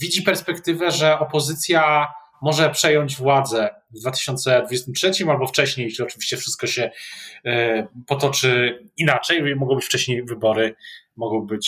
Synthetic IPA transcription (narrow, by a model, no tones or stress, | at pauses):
vʲid͡ʑipɛɾspɛkt̪ɘvɛʐɛɔpɔzɘt̪sʲja | mɔʐɛpʂɛjɔɲd͡ʑvwad̪zɛ | d̪vat̪ɘ̥ɕɔnt̪sɛd̪vud͡ʑest̪ɘmtʂɛt͡ɕimalbɔft͡ʂɛɕɲejʂlʲiɔt͡ʂɘvʲi̥ɕt͡ɕɛfʂɘst̪kɔɕɛ | pɔt̪ɔt͡ʂɘinat͡ʂɛjmɔɡɔ̃w̃bɘt͡ɕft͡ʂɛɕɲejvɘbɔɾɘ | mɔɡɔ̃w̃bɘt͡ɕ